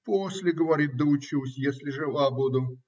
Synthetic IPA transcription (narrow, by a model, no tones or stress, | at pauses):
posʲlʲɪɡəvɐɾʲit̪̚d̪əʊt͡ɕilˠsʲjesʲlʲɪʐɨlˠabud̪ʊ